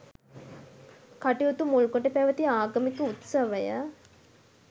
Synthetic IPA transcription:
kaʈiut̪umulukoʈəpæʋət̪iaːɡəmikəut̪sɐʋəjə

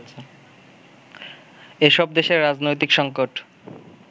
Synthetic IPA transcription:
t͡ɕʰe | eʃɔb̚d̪eʃeɾɾad͡ʑnojt̪ikʃɔŋkoʈ

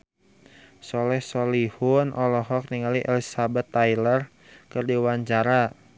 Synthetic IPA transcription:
sɔlɛhsɔlihʊnʔɔlɔɦɔk̚niŋaliʔɛlisabɛt̪ːajlər | kɨrdiwaɲt͡ʃaɾa

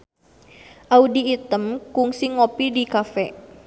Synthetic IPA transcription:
ʔaudiːt̪əmkʊŋsɪŋopidikafɛ

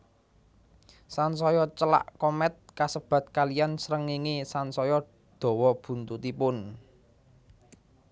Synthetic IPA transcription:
sansɔjɔt͡ʃəla̰ʔkɔmɛt̪̚kasəb̥ä̤t̪̚kalijansɾəŋiŋisansɔjɔ | d̪̥ɔ̤wɔb̥ṳnt̪ut̪ipʊn

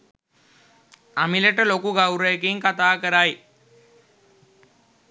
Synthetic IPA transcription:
amiləʈəlokuɡawɾəjəkiŋkat̪aːkəɾaj

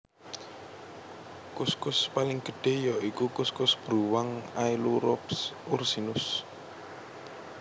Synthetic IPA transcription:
kʊskʊspalɪŋɡ̥ə̤ɖ̥e̤jɔikukʊskʊsb̥ɾuwaŋajluɾɔpsursinʊs

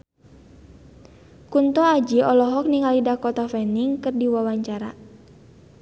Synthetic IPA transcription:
kunt̪ɔad͡ʒiɔlɔɦɔk̚niŋalidakɔt̪afɛniŋkɨrdiwawaɲt͡ʃaɾa̰

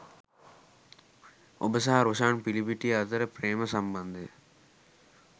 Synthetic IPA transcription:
o̰bəsɐɦɐɾoʃaːɳpilibiʈːijɐt̪ɐɾəpɾeːmɐsɐmbɐnd̪ʱe

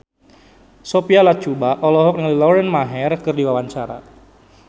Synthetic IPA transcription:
sopialat͡ʃubaʔɔlɔɦɔk̚nəŋlilɔɾɛnmaɦɛrkɨrdiwawaɲt͡ʃaɾa̰

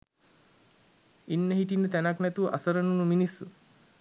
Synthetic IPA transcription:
inːəɦiʈinːət̪ænaknæt̪uʋʔa̰səɾənunuminisːu

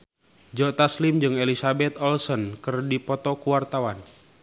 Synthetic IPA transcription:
d͡ʒɔt̪aslimd͡ʒɨŋelisabɛt̪ɔlsɔnkɨrdipɔt̪ɔkuwart̪awan

